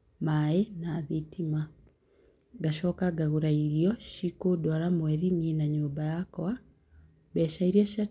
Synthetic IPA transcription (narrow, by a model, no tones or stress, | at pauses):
maenaðetʰima | ɡaʃɔkaɡaɣuɾaiɾiɔʃikodwaɾamwɛɾinenaɲuːmbajakɔa | bɛʃaiɾiaʃa